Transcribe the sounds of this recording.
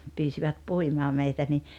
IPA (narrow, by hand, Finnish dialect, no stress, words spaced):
pyːsiʋæt puimɑː meitæ ni